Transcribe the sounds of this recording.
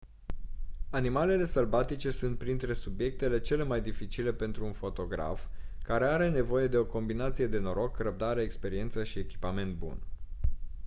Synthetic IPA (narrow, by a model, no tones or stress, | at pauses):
animale̞le̞səlbat̪it͡ʃe̞sunt̪̚pɾint̪ɾe̞subje̞k̚t̪e̞le̞t͡ʃe̞le̞majd̪ifit͡ʃile̞pe̞nt̪ɾuunfo̞t̪o̞ɡɾa̰fkaɾe̞aɾe̞ne̞vo̞je̞d̪e̞o̞ko̞mbinat̪sije̞d̪e̞no̞ɾo̞krəb̚d̪aɾeːkspe̞ɾie̞nt̪səʃie̞kʲi̥pame̞nt̪̚bṵn